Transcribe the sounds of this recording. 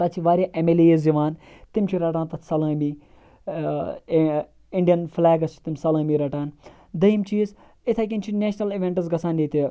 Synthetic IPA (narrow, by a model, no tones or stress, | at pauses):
t̪ɐtt͡ʃʰiʋaːɾʲaʔemelijizd͡ʒiʋaːn | t̪imt͡ʃʰiɾɐʈaːnt̪ɐt̪ʰsɐlə̃ːmi | iɳɖijɐnflaːɡɐst͡ʃʰi̥t̪imsɐlə̃ːmiɾɐʈaːn | d̪ɐimt͡ʃiːz | it̪ʰak̬ʲint͡ʃʰineːʃnɐliʋeɳʈɨzɡɐsaːnjeːt̪ʲe